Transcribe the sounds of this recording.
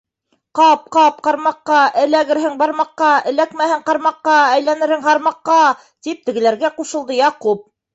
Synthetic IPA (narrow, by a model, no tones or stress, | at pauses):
qɑp̚qɑp̚qɑɾmɑqːɑʔɘ̆læɡɘ̆ɾɦɘŋbɑɾmɑqːɑɘ̆lækmæhɘɴqɑɾmɑqːɑæjlænɘ̆ɾhɘŋɦɑɾmɑqːɑ | t̪ip̚t̪ɘ̆ɡɘ̆læɾɡæquʃɤ̆lˠd̪ɤjɑqup̚